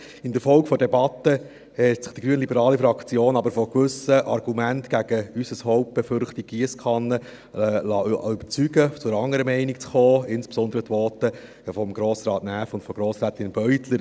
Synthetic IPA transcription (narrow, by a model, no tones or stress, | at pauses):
ɪnd̪əɾfɔlkfɔdɛbɑt̪ə | hɛtt͡sɪ̥χd̥iɡ̥ɾyːənlibəɾɑːlifɾɑkt͡sjoːnɑbəɾfɔkʋɵsəʔɑɾɡ̥umæntɡ̥æɡəysəshɔʊp̚b̥efʏɾχtiɡ̚ɡiəskʰɑnːə | lɑʏbəɾt͡syɡət͡sʊɾɑŋːəɾəmɛɪnik̚t͡sχɔːɪnspsɔnd̪əɾət̪ʋɔːt̪ə | fɔmɡɾoːsɾɑːtnæːfʊntfɔɡɾoːsɾɛːt̪ɪnb̥œɥt̪ləɾ